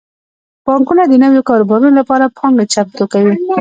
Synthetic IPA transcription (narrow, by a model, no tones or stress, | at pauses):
b̥ɑŋkunad̪ənəwjokɑɾobɑɾunolapɑɾapɑŋɡat͡ʃap̚t̪okawi